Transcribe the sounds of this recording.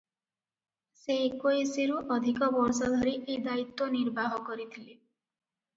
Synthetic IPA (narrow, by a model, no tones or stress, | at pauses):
sekoeseɾuʔɔd̪ʱikɔbɔɾsɔd̪ʱɔɾiʔed̪ait̪ːwɔniɾbaɦɔkɔɾit̪ʰile